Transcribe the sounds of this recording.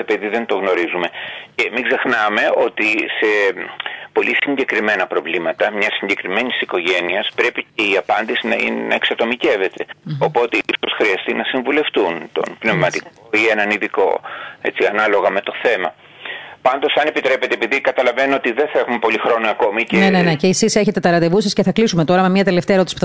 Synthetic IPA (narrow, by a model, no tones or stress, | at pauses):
epiðiðe̞nt̪o̞ɣno̞ɾizume̞cemiɡze̞xnɐme̞o̞t̪ise̞ | po̞lisiɲɟe̞kɾime̞nɐpɾo̞vlimɐt̪ɐmɲɐsiɲɟe̞kɾime̞nisiko̞ʝe̞niɐspɾe̞pice̞iɐpɐnd̪isinɐḭnnɐ̰eksɐt̪o̞mice̞ve̞t̪e̞o̞po̞t̪eiso̞sxɾiɐst̪inɐsiɱvule̞ft̪unt̪o̞̰npne̞vmɐt̪ik̚oienɐniðiko̞̰e̞̰t͡siɐnɐlo̞ɣɐme̞t̪o̞θe̞mɐ | pɐnd̪o̞sɐnepit̪ɾe̞pe̞t̪eepiðikɐt̪ɐlɐve̞nuot̪iðenθɐe̞xumepo̞lixɾo̞niɐko̞miceneneneceːsise̞çe̞t̪e̞t̪ɐɾɐt̪e̞vusɐsceθɐklisume̞t̪o̞ɾɐmemɲɐt̪e̞left̪eeɾt̪isipu̥